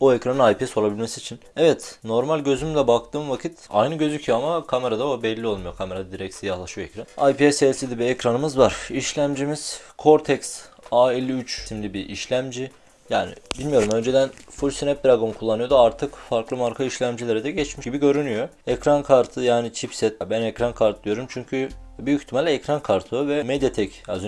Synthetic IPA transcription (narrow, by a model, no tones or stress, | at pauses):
oecɾanɯnajpiɛso̞labilʲmesiːt͡ʃʰinɛvɛt̪no̞ɾmalʲɟø̞zymlʲɛbak̚t̪ʰɯːmvakʰit̪a̰jnɯɟø̞zycʰyjoamakʰame̞ɾad̪aobɛlʲːio̞lˠmujo̞kʰame̞ɾad̪iɾɛc̪̚sijahlˠaʃɯjoɛcɾanajpiɛsɛsid̪ibiɛcɾanɯmɯzvaɾ̥iʃlʲæmd͡ʒimiz̥kʰo̞ɾt̪ʰɛcs | aelʲːiyt͡ʃimlʲibiʔiʃlʲæmd͡ʒi | jaːnḭbilʲmijo̞ɾumø̞nd͡ʒe̞d̪ænfulʲsinɛp̚d̪ɾaɡo̞nkʰulˠːanɯjod̪oaɾt̪ʰɯkfaɾklˠɯmaɾkʰɯiʃlʲæmd͡ʒilʲeɾɛd̪ɛɟɛt͡ʃmiʃɟibiɟø̞ɾynyjoɛcɾankʰaɾt̪ʰɯjaːnit͡ʃʰipsɛt̪̚bænɛcɾankʰaɾt̪̚d̪ijo̞ɾumt͡ʃʰyɲcʰybyjyç̥t̪ʰimalʲɛɛcɾankʰaɾt̪ʰɯvɛmed̪jat̪ʰɛcaz